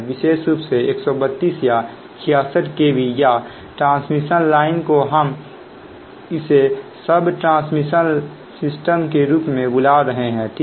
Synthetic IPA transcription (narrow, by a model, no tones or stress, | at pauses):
ʋɪʃeːʃɾuːpseeːksɔbət̪ːiːsja | kʰɪjaːsəʈkebʱija | ʈɾãːsmiʃənlaːɪnkoɦəm | ɪsesəbʈɾãːsmiʃən | sɪsʈəmkeɾuːpmẽbʊlaɾəɦeɦɛ̃ːʈʰiː